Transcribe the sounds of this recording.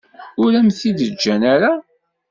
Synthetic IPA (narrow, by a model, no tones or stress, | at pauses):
ʊɾæmθiðəd͡ʒːænaɾa